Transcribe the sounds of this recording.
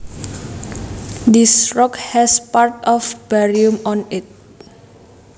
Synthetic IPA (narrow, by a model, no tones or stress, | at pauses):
d̪isɹɔkhɛspaɹtɔfbɛɹiũmɔ̃nit̚